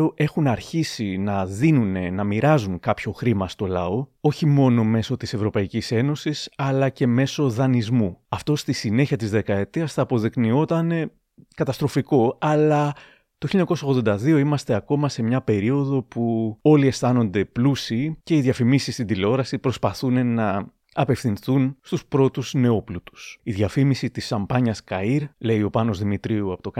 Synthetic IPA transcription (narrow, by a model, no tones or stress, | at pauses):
oʔe̞xunɐɾçisinɐðinune̞nɐmiɾɐzuŋkɐpço̞xɾimɐst̪o̞lɐ̰o̞o̞çimo̞no̞me̞so̞t̪ise̞vɾo̞pɐicise̞no̞sisɐlɐce̞me̞so̞ðɐnizmuɐft̪o̞st̪isine̞çiɐt̪izðe̞kɐe̞t̪iɐsθɐːpo̞ðiknio̞t̪ɐne̞ | kɐt̪ɐst̪ɾo̞fiko̞ɐlɐ | t̪oçiloɲːɐkosɐonðod̪ɐðio̞imɐst̪e̞ɐko̞mɐse̞mɲɐpe̞ɾio̞ðo̞puo̞lie̞sθɐno̞nd̪e̞plusice̞iðʝɐfimisist̪ind̪ileo̞ɾɐsipɾo̞spɐθunenɐ | ɐpe̞fθinθunst̪uspɾo̞t̪uzne̞o̞plut̪u̥siðʝɐfimisit̪isɐmpɐɲɐskɐiɾle̞io̞pɐno̞zðimit̪ɾiuɐpot̪ok